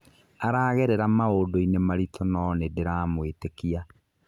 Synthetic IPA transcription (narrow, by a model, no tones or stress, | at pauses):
aɾaːɣɛɾɛɾamaodoinemaɾitʰɔnɔnedeɾaːmwetekia